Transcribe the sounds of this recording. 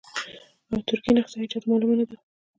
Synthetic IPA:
awt̪ʊɾkinaxsɑhɪd͡ʒat̪mɑlumanad̪a

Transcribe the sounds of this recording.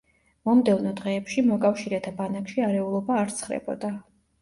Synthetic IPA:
mɔmd̪ɛvnɔd̪ʁɛːpʃimɔkʼafʃiɾɛt̪ʰabanakʃiaɾɛulˠɔbaːɾt̪sʰχɾɛ̰bɔ̰d̪a

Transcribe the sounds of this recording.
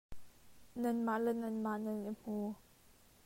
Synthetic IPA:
nɐnmaʔlɛnɐnmaʔnɐnim̥uː

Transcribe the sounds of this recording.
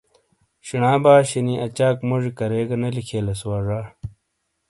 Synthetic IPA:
ɕinaːbaːɕiniʔɐt͡ɕaːkmoʐikɐɾeːɡɐnɐlikʰeːlɐswaːʐaː

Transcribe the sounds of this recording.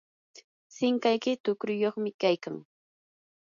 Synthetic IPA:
sɪŋkajkɪt̪ʊkɾʊjoχmɪkajkaŋ

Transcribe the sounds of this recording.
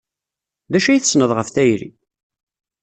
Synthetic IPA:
ðæʃæjθəsnəðˤʁəfθæjɾḭ

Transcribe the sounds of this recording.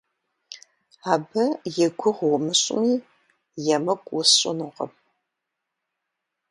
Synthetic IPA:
aːbɐjɛɡʷʊʁʷʊmɨɕʼɪ̰miː | jɛmɐkʷʼwʊsʼɪ̰nɨʁɐ̰m

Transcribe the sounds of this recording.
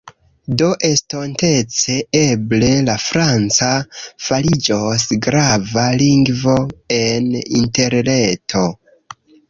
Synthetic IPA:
do̞ʔe̞sto̞nte̞t͡se̞e̞ble̞lafɾant͡safalid͡ʒosɡɾavaliŋɡvo̞e̞nḭnte̞ɾne̞tʰo̞

